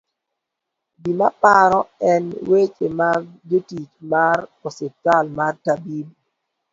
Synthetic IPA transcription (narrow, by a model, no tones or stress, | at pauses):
bimapaɾɔɛnwet͡ʃḛmaɡd͡ʒotit͡ʃmarɔsɪtalmartabib